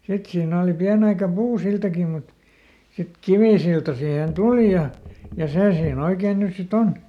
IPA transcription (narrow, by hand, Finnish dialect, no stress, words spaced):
sit siːn oˑli piænĕ ɑikɑ puːsiltɑki mut sit kiʋiˑsiltɑ siheˑn tuli jɑ jɑ seˑ siːn oikeːn nys sit on